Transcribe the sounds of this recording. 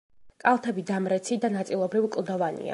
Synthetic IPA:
kʼalˠt̪ʰɛbid̪amɾɛt̪sʰid̪anat̪sʼilˠɔbɾivkʼlˠd̪ɔvanḭa̰

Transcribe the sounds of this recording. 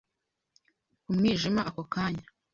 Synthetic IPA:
umŋiːʒimaʔakokaːɲa

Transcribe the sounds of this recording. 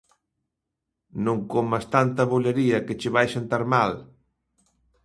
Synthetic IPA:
nõŋkomast̪ant̪ɐβoʎaɾiɐket͡ʃɪβajʃant̪aɾmal

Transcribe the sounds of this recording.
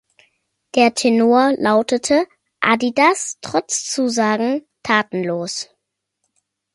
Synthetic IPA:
d̥eːɐtʰenoːɐlaʊtətʰə | ʔa̰didastʁ̥ɔt͡st͡suːzaːɡŋ̩tʰaːtn̩loːs

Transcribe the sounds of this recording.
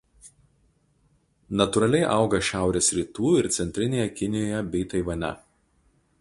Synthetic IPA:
nɐt̪ʊɾɐlʲɛɪʔɐˑʊɡɐʃʲæˑʊɾʲeːsɾʲiːt̪uːɪɾt̪sʲɛnʲt̪ʲɾʲɪnʲeːjɛkʲɪnʲɪjoːjɛbʲɛɪt̪ɐɪʋɐnʲɛ̰

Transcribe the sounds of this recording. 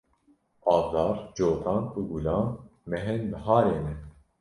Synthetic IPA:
ɑːbzɑːɾd͡ʒoːt̪ʰɑːnuːɡulɑːnmɛɦɛnməɦɑːɾeːnɛ

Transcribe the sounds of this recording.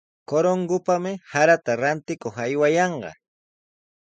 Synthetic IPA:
koɾoŋɡʊpamɪhaɾat̪aɾant̪ɪkoχajwajɑɴɢɑ̰

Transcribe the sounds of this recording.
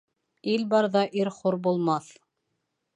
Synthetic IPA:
ilbɑɾðɑʔiɾχoɾbulˠmɑθ

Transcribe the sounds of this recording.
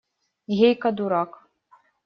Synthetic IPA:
ɦʲejkad̪uɾɑk

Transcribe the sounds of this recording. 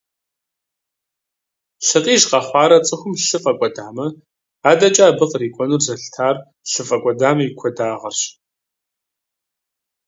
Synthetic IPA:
ɬɨqʼiːʒqɐχʷɑːɾɐt͡sʼɨxʷʊmɬɨfʼɐkʷʼɔdaːmɐ | aːdɐt͡ʃʼaːbɨqriːkʷʼɔnurzɐɬtʰaːr | ɬɨfʼɐkʷʼɔdaːmɐikʷʰɔdaːʁɐrɕ

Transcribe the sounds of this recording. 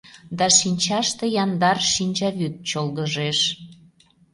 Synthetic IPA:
d̪ɑʃinʲt͡ɕɑʃt̪ejɑnd̪ɑrʃinʲt͡ɕɑβyt̪̚t͡ɕolɣəʒeʃ

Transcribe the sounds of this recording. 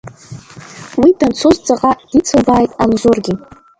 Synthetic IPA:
widant͡sʰozd͡zʼaqʼad̥it͡sʰɨlbaːjtʼanzorɡʲɪ

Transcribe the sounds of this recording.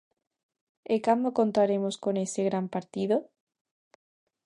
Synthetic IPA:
ekamoko̞nt̪aɾe̞mosko̞ne̞seɣ̞ɾampaɾt̪iðo

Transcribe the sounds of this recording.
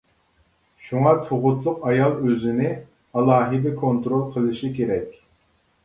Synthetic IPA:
ʃuŋɑt̪ʰoʁʊt̪lˠʊqɑjɑlˠøzɪnɪ | ɑlˠɑːɦɨd̪ɪkʰont̪ɾolˠqʰəlˠɨʃikʲeɾɛkʲ

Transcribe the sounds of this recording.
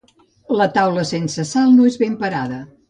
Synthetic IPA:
lət̪awləsensəsalˠnoezβempəɾaðə

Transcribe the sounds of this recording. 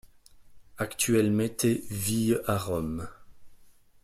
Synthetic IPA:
akt̪ɥɛlmɛ̃t̪ʰɛviaʁɔm

